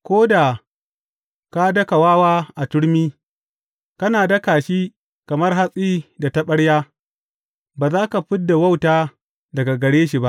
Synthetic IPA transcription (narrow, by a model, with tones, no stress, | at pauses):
kʷoː˦da˨ | ka˦dɐ˦ka˨waː˦waː˦ʔa˨tʊ˦ɽmiː˦ | kɐ˦naː˨dɐ˦kaː˨ʃiː˦ | kɐ˨mɐ˦rɦa˦sʼiː˦da˨tɐ˦ɓɐ˦ɽjaː˦ | baː˨zaː˦ka˨ɸɪ˦dːa˨wɐ˦˨wtaː˦ | dɐ˨ɡa˨ɡɐ˨ɽeː˦ʃi˨ba˦ʔ